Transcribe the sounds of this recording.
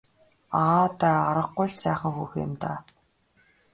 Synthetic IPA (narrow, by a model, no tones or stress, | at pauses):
aːt̪æːaɾə̆qːʊjɮsæːχə̆ŋxuːxɪ̰mt̪a̰ː